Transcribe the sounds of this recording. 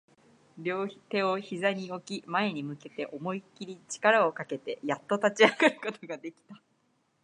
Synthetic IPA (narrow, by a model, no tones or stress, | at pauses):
ɾʲo̞ːçi̥t̪e̞o̞çizaɲ̟io̞kʲimae̞ɲ̟imɯ̟ke̞t̪e̞ʔo̞mo̞ikʲiɾʲit͡ɕi̥kaɾao̞kake̞t̪e̞jat̪ːo̞t̪at͡ɕiaɡaɾɯ̟ko̞t̪oɡad̪e̞kʲi̥t̪a